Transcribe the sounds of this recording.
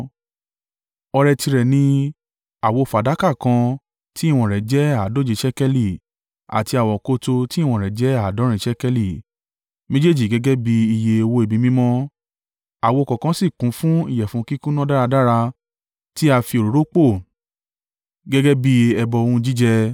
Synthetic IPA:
ɔ˧ɾɛ˧ti˧ɾɛ˨nĩ˧˦ | a˨wo˧˨fa˨da˨˦ka˦˨kã˧ | ti˦i˦˨w̃ɔ̃˧˨ɾɛ˨d͡ʒɛ˦a˦˨do˨˦˨d͡ʒe˨˧˦ʃɛ˦kɛ˦li˦˨ | a̰˨ti˧a˨wɔ̃˨ko˧to˧ti˦˨w̃ɔ̃˧˨ɾɛ˨d͡ʒɛ˦a˦˨dɔ̃˨˦ɾ̃ĩ˧˦ʃɛ˦kɛ˦li˦˨ | mẽ˦d͡ʒe˦d͡ʒi˦˨ɡɛ˦ɡɛ˦bi˧i˧je˧e˧wo˧e˨bĩ˧mĩ˦mɔ̃˦ | a˨wo˧˨kɔ̃˨kã˧si˦˨kũ˨˦fũ˦ḭ˦˨jɛ˨fũ˨˦ki˦ku˦nã˦da˦ɾa˧da˦ɾa˧ | ti˦a˧fi˧o˨ɾo˨ɾo˦k͡po˦˨ | ɡɛ˦ɡɛ˦bi˦ɛ˧bɔ˧o˧ũ˦d͡ʒi˦d͡ʒɛ˧

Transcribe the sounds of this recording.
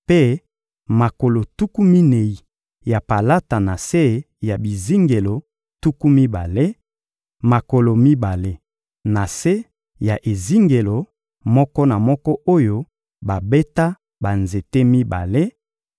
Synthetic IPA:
pe˦ | ma˨ko˨lo˨tu˦ku˦mi˦ne˨i˨ | ja˨pa˨la˦ta˨na˨se˦ | ja˨bi˨zi˦ŋɡe˨lo˨ | tu˦ku˦mi˦ba˨le˦ | ma˨ko˨lo˨mi˦ba˨le˦ | na˨se˦ | ja˨ʔe˨zi˦ŋɡe˨lo˨ | mɔ˦kɔ˦na˨mɔ˦kɔ˦ʔo˦jo˦ | ba˨be˦ta˦ | ba˨nze˨te˦mi˦ba̰˨le˦

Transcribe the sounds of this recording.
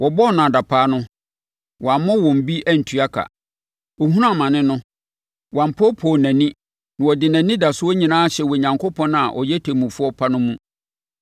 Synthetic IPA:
wʔɔ˨bɔ˦˨nã˨da˨pʰaː˦nʊ̃˦ | wɔ˨a˨mɔ̃˦wɔ̃˨m̩˨bi˦ʔæ˦˨n̩˨tʰɥa˦kʰa̰˨ | ɔ˨ɦũ˦ɾã˦˨mã˨nɪ̃˦nʊ̃˦ | wã˨m̩˨pʰɔ˦pʰɔ˨næ̃˨nĩ˦ | nã˨wɔ˨dɪ˨næ̃˨nĩ˦da˨sʊ˦wɔ˦ɲĩ˨nãː˦a˦ɕɛ˨wɔ˨ɲã˨ŋko˦pʰɔ̃˦na̰˨ʔɔ˨jɛ˦tʰe˨mũ˨fʊ˦ɔ˦pʰa˦nʊ̃˦mũ˦

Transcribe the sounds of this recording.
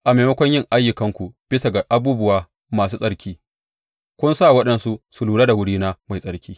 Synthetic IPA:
ʔa˨ma˨mɐ˦kʷɔ˦ɲjɪ˦ŋʔa˦jːʊ˨kɐ˦ŋkʷu˨b̥ɪ˦sa˨ɡa˨ʔa˦buː˦bʊ˦waː˨ | maː˨suː˦sʼɐ˦ɽkʲʰiː˦ | kʷʊ˦nsaː˦˨wɐ˦ɗɐ˨nsu˦ʔsu˨luː˨ɽa˦da˨wʊ˦ɽiː˦naː˦ma˨jsʼɐ˨˦ɾkʲʰiː˦

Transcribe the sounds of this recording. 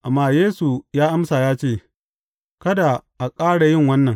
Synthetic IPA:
ʔa˨mːaː˦jeː˦su˨jaː˦ʔa˦msaː˨jaː˦t͡ʃeː˦˨ | kɐ˦da˨ʔa˨kʼaː˦ɽa˨jɪ˦˨ŋwɐ˦nːɐ˨ŋ

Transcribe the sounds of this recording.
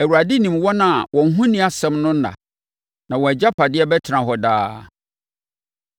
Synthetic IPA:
æ˨wu˨a˨di˦nĩ˨mwɔ˦nã˨a˨wʔɔ̃˨ŋ̩˦ɦũ˦nĩ˦a˨sɛ̃˦mnʊ̃˦n̩˦nã̰˨ | nã˨wɔ̃˨æ˨d͡ʑa˦pʰa˨dɪ˦ɛ˦bɛ˦tʰɪ˨nã˨ɦɔ˨daː˦

